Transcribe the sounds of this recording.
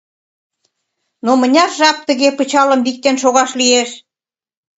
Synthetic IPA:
nomə̆nʲɑrʒɑp̚t̪əɣepət͡ɕɑlə̆mbik̚t̪enʃoɣɑʃlieʃ

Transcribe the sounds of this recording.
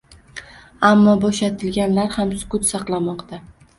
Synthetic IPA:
amːɒbɒʃat̪ʰɪlɡʲanlaɾhamsʊ̥kʊt̪sɑqlˠamɒqt̪ʰa

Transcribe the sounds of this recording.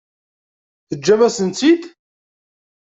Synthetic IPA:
θəd͡ʒːævæsənt͡s̪id̪

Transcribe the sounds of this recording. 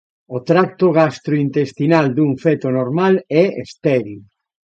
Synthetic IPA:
ot̪ɾak̚t̪oɣast̪ɾoint̪est̪inald̪uŋfet̪onoɾmalɛḛst̪ɛɾi

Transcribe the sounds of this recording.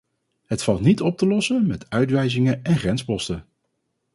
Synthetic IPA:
ɦətfɑlˠtnitɔp̚təlɔsəmɛtœɥtʋɛjzɪŋəɛnχrɛnspɔstə

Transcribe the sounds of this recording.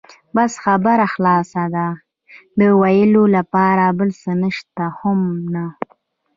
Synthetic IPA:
basxabaɾaxlɑsad̪a | d̪əwajəlolapɑɾabəlsənəʃt̪ahʊmna

